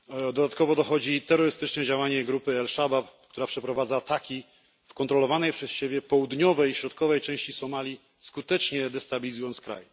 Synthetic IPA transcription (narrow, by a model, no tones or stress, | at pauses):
d̪ɔd̪at̪̚kɔvɔd̪ɔxɔd͡ʑit̪ɛɾːɔɾɘst̪ɘt͡ʂnɛd͡ʑawaɲɛɡɾupɘɛlʂabapk̚t̪uɾapʂɛpɾɔvad̪zaːt̪akʲi | fkɔnt̪ɾɔlɔvanɛjpʂɛsɕebʲjɛpɔwud̪ɲɔvɛjɕɾɔt̪̚kɔvɛjt͡ʂɛ̃w̃ɕt͡ɕisɔmalʲi | skut̪ɛt͡ʂɲɛd̪ɛst̪abʲilʲizujɔnskɾa̰j